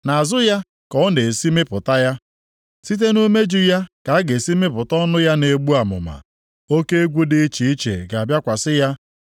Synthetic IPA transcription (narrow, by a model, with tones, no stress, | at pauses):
na˨a˨zʊ˦ja˦ | kɔ˨ʊ˦ne˨si˦mɪ˦pʊ˨ta˦ja˦ | si˦t̬e˦nu˦me˦d͡ʒʊ˦ja˦ka˨˦ɡe˨si˦mɪ˦pʊ˨tɔ˦nʊ˦ja˦ne˨ɡ͡bu˦a˨mʊ̰˨ma̰˨ | o˦ke˦e˦ɡʷu˦dɪ˦t͡ʃi˨i˦t͡ʃḛ˨ɡa˨a˨bja˦kʷa˨sɪ˦ja˦